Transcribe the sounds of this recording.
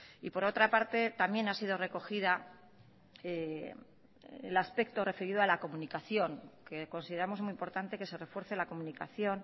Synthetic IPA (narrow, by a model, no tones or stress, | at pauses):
ipo̞ɾo̞t̪ɾapaɾt̪e̞t̪amje̞nasiðo̞re̞ko̞xiða | e | elaspe̞k̚t̪o̞re̞feɾiðoalako̞munikaθjo̞ŋke̞ko̞nsiðe̞ɾamo̞zmuimpo̞ɾt̪ant̪e̞ke̞se̞re̞fwe̞ɾθe̞lako̞munika̰θjo̞n